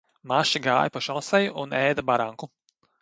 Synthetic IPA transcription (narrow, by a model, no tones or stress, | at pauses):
maʃiɡaːjpɔʃalˠsɛjuʔunɛːd̪abaɾaŋku